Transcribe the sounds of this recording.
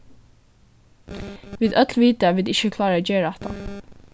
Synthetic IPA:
ʋiːd̪ʔœt̪lʋiːd̪əʋɪd̪ːɪçəkʰlɑːɾəd͡ʒeːɾɑt̪ʰɑ̰

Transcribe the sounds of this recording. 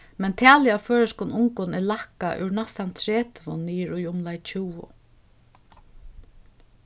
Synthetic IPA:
mɛnt̪ʰɛːlɪaføːɹaskʊnʊŋkʊnɛlahka̰ʔʉ̰ɹnasant̪ʰɾɛːt̪ʰvʊnːiːɾʊjʊmlajt͡ʃʰuwʊ̰

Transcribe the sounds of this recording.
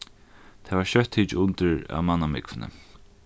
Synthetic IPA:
t̪ʰɛːvaɹɕœht̪hiːt͡ʃʊnt̪əɹa̰manːamɪkvɪnə̰

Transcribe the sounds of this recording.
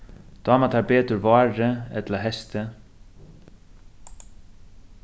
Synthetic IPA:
d̪̥ɑːmat̪ʰɑːɾbeːt̪ʉɾvɑːɾəɛ̰t̪laɦɛst̪ʰə

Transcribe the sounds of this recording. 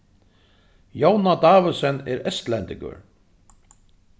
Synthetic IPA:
jownad̪aːvɪsɛnɛ̰ɾɛst̪lɛnt̪ɪŋkʊ̰ɹ

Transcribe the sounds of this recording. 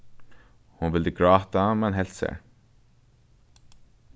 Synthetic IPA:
hʊnʋɪld̪əɡɹɑːt̪ɑmɛnɦɛlt̪sḛɹ

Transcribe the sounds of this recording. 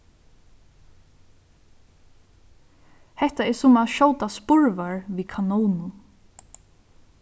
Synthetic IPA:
hɛht̪aɛɹsʊmaðʃɔwt̪aspʊɹʋaɹʋiːkʰanuːnʊn

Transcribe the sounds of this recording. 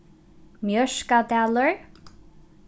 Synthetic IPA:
mjœʃkat̪aːləɹ

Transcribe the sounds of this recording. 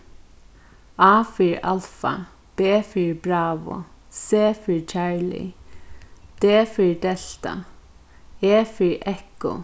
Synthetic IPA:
ɑːfɪɹɑ̰lfɑ̰ | b̥eːfɪɹbɹɑːʋʊ̰seːfɪɹt͡ʃæɹlɪ̰ | d̪̥eːfɪɹd̪ɛɬt̪ɑ̰ | eːfɪɹʔɛkʊ̰

